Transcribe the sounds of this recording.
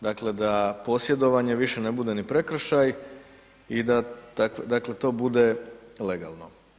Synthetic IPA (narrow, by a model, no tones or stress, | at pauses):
d̪akle̞d̪apo̞sje̞d̪o̞ʋaɲe̞ʋiʃe̞nebud̪e̞nipɾe̞kɾ̩ʃaj | id̪at̪akʋed̪akle̞t̪o̞ːbud̪e̞le̞ɡa̰lˠno̞